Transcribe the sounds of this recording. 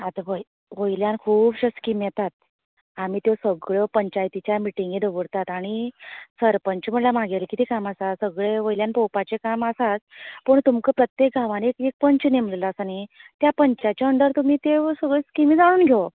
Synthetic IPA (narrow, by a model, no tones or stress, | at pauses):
at̪əʋəj | ʋojljankʰuːpɕəskimjet̪at̪̚ | am̤iːt̪josəɡɭəpəɲt͡ɕajt̪it͡ɕjamiʈiŋɡid̪əʋəɽt̪at̪aɽ̃isəɾpəɲt͡ɕm̤əɳlamaɡelkiːt̪ekaməsasəɡɭeʋojljanpowpat͡ɕekaməsat͡spəɳt̪umkəpɾət̪jek̚ɡʱaʋanekek̚pəɲt͡ɕnemllasanit̪japəɲt͡ɕat͡ɕjaəɳɖəɾt̪um̤iːt̪esəɡɭeskimid͡zaɽ̃uːnɡʱo